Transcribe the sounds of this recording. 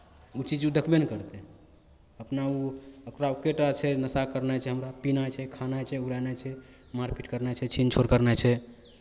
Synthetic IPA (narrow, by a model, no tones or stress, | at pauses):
ut͡ʃid͡ʒud̪əkʰbenkəɾt̪ɛ | əpnauəkɾaokeʈat͡ʃʰɛnəsakəɾnat͡ʃʰɛɦəmɾapinajt͡ʃʰɛkʰanajt͡ʃʰɛuɾanat͡ʃʰɛ | maɾpiʈkəɾnat͡ʃʰɛt͡ʃʰint͡ʃʰoɾkəɾnat͡ʃʰɛ